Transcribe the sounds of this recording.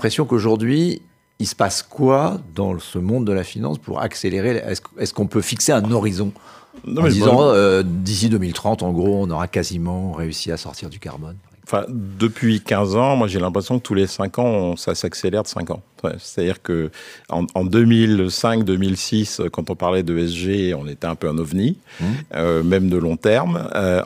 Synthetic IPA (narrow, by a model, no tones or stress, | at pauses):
pχesjɔ̃koʒuʁd̪ɥi | isə̥paskwad̪ɑ̰̃səmɔ̃d̪ːəlafinɑ̰̃spṵʁa̰kseleʁeɛ̰skɛskɔ̃pøfikseɛ̃nɔʁizɔ̃nɔ̃mɛizɑ̃ød̪isid̪ømilt̪χɑ̃t̪ɑ̃ɡʁoɔ̃nɔʁakazimɑ̃ʁeysiasɔ̰ʁt̪ʰiʁd̪yka̰ʁbɔnp | ɑ̃fɛ̰̃d̪əpʰɥikʲɛ̃zɑ̃mwaʒelɛ̃pχesjɔ̃kət̪ʰulesɛ̃kɑ̃sasakselɛʁd̪əsɛ̰̃kɑ̰̃se̥t̪ad̪iʁkəɑ̰̃ɑ̃d̪ømilsɛ̃kd̪ømilsisøkɑ̃t̪ɔ̃paʁlɛd̪øɛsʒeɔ̃net̪ɛɛ̃pøɑ̃nɔvni | ømɛmd̪əlɔ̃t̪ɛʁmø